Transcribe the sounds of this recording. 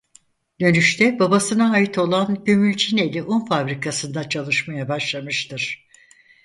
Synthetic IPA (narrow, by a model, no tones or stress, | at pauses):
d̪ø̞nyʃt̪ʰɛbabasɯnaɦajit̪ʰo̞lˠanɟømylʲt͡ʃʰine̞lʲiʔunfabɾikʰasɯnd̪at͡ʃʰalˠɯʃmajabaʃlˠamɯʃt̪ɯɾ̥